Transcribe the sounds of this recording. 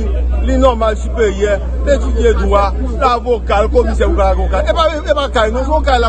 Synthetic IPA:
linãmãːʃibejɛ | letud͡ʒedũwa | lavokaɾkomĩʃɛuaaɡũkãeaebakainũfũokaila

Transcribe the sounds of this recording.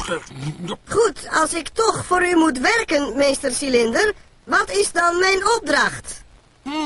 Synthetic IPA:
χutɑlˠsɪktɔxfoːɾymutʋɛrkənmeːstərsilɪndər | ʋɔtɪsdɔnmɛjnɔp̚drɑxt

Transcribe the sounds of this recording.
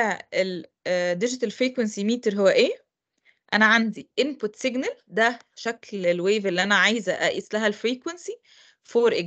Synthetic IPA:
æel | d̪ɪd͡ʒɪt̪ælfɾiːkwensimiːt̪eɾɦowːæʔeː | ʔænæʕand̪iʔɪmput̪seɡnæld̪æ | ʃæklelweːvelːiʔænæʕajzæʔæ̰ʔḭːslæɦælfɾiːkwensi | foːɾʔe

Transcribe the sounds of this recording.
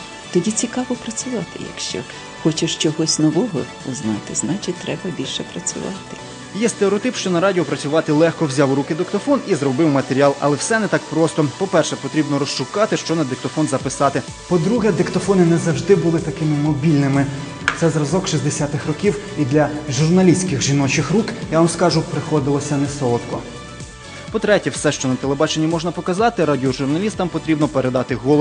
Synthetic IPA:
t̪ɔdʲit͡sʲikɑʋɔpɾɐt͡sʲʊʋɑt̪ɪ̰jɐ̰kʃt͡ʃɔ̰ | xɔt͡ʃɪʃt͡ʃɔɦɔsʲnɔʋɔɦɔ̰ | ʊznɑt̪ɪznɑt͡ʃɪt̚ʲt̪ːɾɛbɐbʲilʲʃɛpɾɐt͡sʲʊ̰ʋɑ̰t̪ɪ̥ | jɛst̪eɔt̪ɪpʃt͡ʃɔnɐɾɑdʲiɔpɾɐt͡sʲʊʋɑt̪ɪlˠɛxkɔwzʲɑwrukɪd̪ɪkt̪ɔfɔnizrɔbɪwmɐt̪eɾʲiɑlˠɐ̰lˠɛwsɛnɛt̪ɑkpɾɔst̪ɔpɔpɛrʃɛpɔt̪ɾʲibnɔɾɔst͡ʃʊkɑt̪ɪʃt͡ʃɔnɐd̪ɪk̚t̪ɔfɔnzɐpɪsɑt̪ɪ | pɔd̪ɾuɦɛd̪ɪkt̪ɔfɔnɪnɛzɐwʒd̪ɪbʊlˠɪt̪ɐkɪmɪmɔbʲilʲnɪmɪ | t̪sɛzɾɐzɔkʃizʲd̪esʲat̪ɪxrɔkʲiwid̪lʲɐʒurnɐlʲisʲkɪxʒinɔt͡ʃɪxrukjaʋamskɑʒʊpɾɪxɔd̪ɪlˠɔsʲɐnɛsɔɔt̪kɔ | pɔt̪ɾɛtʲɛwsɛʃt͡ʃɔnɐt̪elˠebɑt͡ʃenʲːɐmɔʒnɐpɔkɐzɑt̪ɪɾadʲiɔʒʊrnɐlʲist̪ɐmpɔt̪ɾʲibnɔpeɾed̪ɑt̪ɪɦɔlˠ

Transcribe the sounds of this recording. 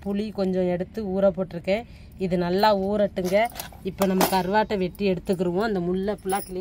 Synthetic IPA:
pʊɭikɔɲd͡ʒɔ̃ɛɽɯt̪ːɯuːɾɐpoːʈːɪɾɯkːẽː | ɪðɯnɐlːaːuːɾɐʈːɯŋɡɐɪpːoːnɐmːɐkːɯɐɾʋaːʈːɐʋɛʈːiɛɽɯt̪ːɯkːɪɾɯʋõɐnd̪ɐmʊɭːɐpʊlaːt̪ːɪl

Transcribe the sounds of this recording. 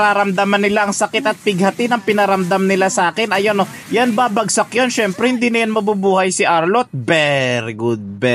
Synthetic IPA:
ɾaːɾɐmd̪amɐnːɪlaʔɐŋsɐkɪt̪ɐt̪̚pɪɡ̚hɐt̪ɪd̪ɐŋpɪnɐɾɐmd̪amnɪlasɐʔaːkɛnʔɐjono | janbaːbɐɡsɐk̚jonʃɛmpɾɛhɪnd̪iːnɐjonmɐbubuːhɐjsɪʔaɹlot̪̚bɛɾɪɡud̪̚bɛ

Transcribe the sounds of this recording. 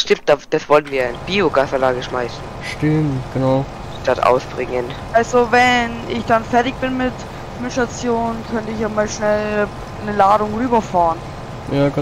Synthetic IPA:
ʃtɪmt̚d̥aːd̥asv̥ɔlənviːɐanəb̥iːoɡaːsanlaːɡəʃmaɪsn̩ | ʃtɪmtɡ̥ənaʊ | d̥atʔa̰ʊsb̥ʁɪŋən | ʔalzovɛn | ɪçd̥anfɛɐtɪçb̥ɪnmɪt | mɪtʃtat͡sjoːnkʰœntəɪçjamaːlʃnɛl | nəlaːdʊŋʁyːbɐfaːʁn | jaːɡ

